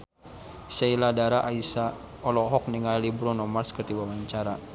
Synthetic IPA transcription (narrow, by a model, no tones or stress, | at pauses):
seiladaɾaʔaisa | ɔlɔɦɔk̚niŋalibɾɔnɔmarskət̪iwawaɲt͡ʃaɾa